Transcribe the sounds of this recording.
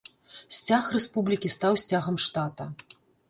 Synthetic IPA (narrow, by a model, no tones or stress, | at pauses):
sʲt͡sʲaxrɛspublʲikʲist̪awsʲt͡sʲaɣɐmʂt̪at̪ɐ